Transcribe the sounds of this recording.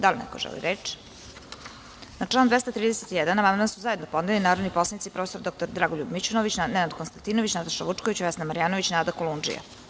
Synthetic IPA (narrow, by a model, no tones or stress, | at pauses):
d̪alʲnɛ̰ko̰ʒɛ̰lḭɾet͡ʃi̥ | nat͡ʂlaːnd̪vʋest̪at̪ɾiːd̪eset̪ijɛd̪anamand̪mansuzae̞d̪nopod̪elinaːɾod̪nipo̞slˠanit̪sipɾofeso̞ɾd̪o̞k̚t̪oɾd̪ɾaːɡoʎubmit͡ɕunoʋit͡ɕnnɛnad̪konst̪ant̪inoʋit͡ɕnat̪aʃaʋuʈ͡ʂkoʋit͡ɕʋɛsnamaɾijaːno̞ʋit͡ɕnaːd̪akolˠund͡ʒḭja̰